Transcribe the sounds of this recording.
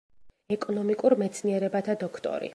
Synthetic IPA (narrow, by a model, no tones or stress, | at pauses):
ɛkʼɔnɔmikʼuɾmɛt̪sʰniɛɾɛbat̪ʰad̪ɔkʰt̪ʼɔ̰ɾḭ